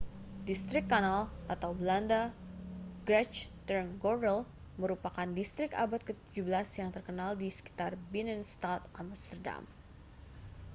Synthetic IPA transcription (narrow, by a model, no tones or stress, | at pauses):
dist̪ɾɪkːanalat̪awblanda | ɡɾɛt͡ʃt̪ərnɡɔrɛl | məɾupakandist̪ɾɪka̰bat̪̚kət̪ud͡ʒubəlasjaŋt̪ərkənaldisə̥ki̥t̪arbinɛnst̪at̪amst̪ərda̰m